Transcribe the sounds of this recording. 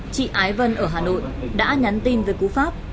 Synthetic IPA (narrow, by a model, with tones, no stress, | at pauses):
t͡ɕḭ˧˨ʔaː˨˦jvə˧nʔəː˧˩ɦaː˨˩no̰˧˨jɗa̰ː˧˥ɲa˨˦nt̪i˧nveː˨˦jku˨˦faː˦˥p̚